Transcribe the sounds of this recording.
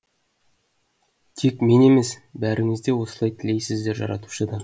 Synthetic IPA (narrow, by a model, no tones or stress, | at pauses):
t̪ʰekme̞ne̞mesbæɾɪŋɪzd̪e̞wo̞sə̥lˠɑjt̪ʰɪle̞jsɪzd̪e̞ɾʒɑ̰ɾɑ̰t̪u̥ʃəd̪ɑ